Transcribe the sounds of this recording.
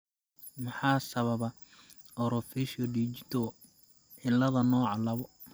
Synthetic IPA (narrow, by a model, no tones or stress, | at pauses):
mɑħɑːsɐβɐβɐ | ɔɾɔfiʃɔɖit͡ʃɪt̪ʰɔ | ʕɪlːɐðɐnɔːʕɑlɐβɔ